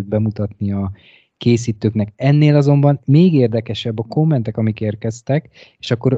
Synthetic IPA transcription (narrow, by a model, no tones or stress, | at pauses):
d̪̚bɛmut̪ɒt̪niɒ | keːs̬iːt̪øːknɛkɛnːeːlɒzo̞mbɒnmeːɡeːrd̪ɛkɛʃɛbːɒko̞mːɛnt̪ɛkɒmikeːrkɛst̪ɛk | eʃɒkːo̞ɾ